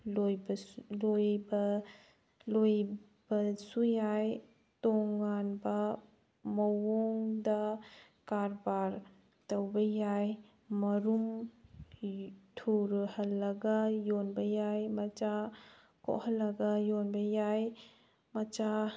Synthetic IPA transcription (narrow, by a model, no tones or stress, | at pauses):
lojblojbɐ | loj | b̥ɐsujaj | toŋːanbɐ | mɐwoŋdɐ | kaɾbaɾ | tɐwbɐjaj | mɐɾum | tʰuɾhɐlːɐɡɐjonbɐjajmɐt͡ʃa | ko̰ʔhɐlːɐɡɐjonbɐjaj | mɐt͡ʃa